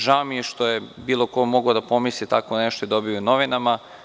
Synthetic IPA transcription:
ʒaomijeʃt̪ojebiːlˠo̞ko̞mo̞ɡod̪apo̞mislit̪akoneʃt̪oed̪o̞biono̞ʋinama

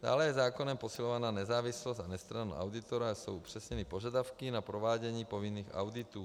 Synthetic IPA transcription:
d̥̪a̰ːlɛjɛzaːkonɛmpo̞silovanaːnɛzaːvɪslost̪anɛst̪ɾanṵʔa̰wd̪ɪt̪oɾasowʔupr̝̥ɛsɲɛnipo̞ʒadafkinapɾovaːɟɛɲiːpo̞vinːiːxa̰wdɪt̪uː

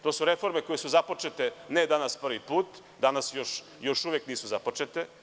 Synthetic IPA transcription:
t̪oːsuɾefo̞ɾmekojesuzapot͡ʃet̪ened̪anaspr̩ʋipuːt̪ | d̪anasjoʃ | joʃuʋekniːsuzapot͡ʃet̪e

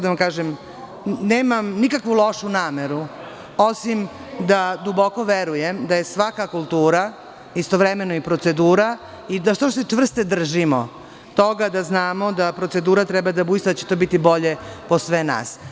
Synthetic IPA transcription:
d̪aʋamkaːʒem | neːmamnikakʋulˠo̞ʃunaːmeɾu | o̞sim | d̪ad̪ubo̞ko̞ʋeɾujemd̪ajesʋakakulˠt̪uːɾa | ist̪o̞ʋɾemenoipɾo̞t̪se̞d̪uːɾa | id̪aʃt̪oset͡ʂvr̩st̪ed̪r̩ʒimo̰ | t̪o̞ɡad̪aznaːmo̞d̪apɾotse̞d̪uːɾat̪ɾɛbad̪abuist̪ad̪at͡ɕet̪o̞bit̪ibo̞ʎeposʋena̰ːs

